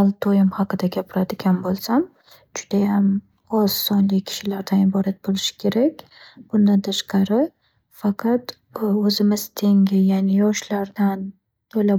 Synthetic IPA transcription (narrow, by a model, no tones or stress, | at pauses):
alˠt̪ʰojɪmhɑqɨd̪aɡʲapʰɪɾad̪ɪɡʲanbolˠsam | d͡ʒʊd̪̥ajam | ɒz̥ːɒnlɪkʲʰɪ̥ʃɪlaɾd̪anɪbɒɾat̪̚bolɪʃɪ̥kʲʰe̞ɾakʲ | b̥ʊnd̪ant̪ʰaʃqɑɾɪ | faqʰɑt̪ | ɵzɪmɪz̥t̪ʰe̞ŋɡʲɪjanɪjɒʃlaɾd̪an | t̪ʰola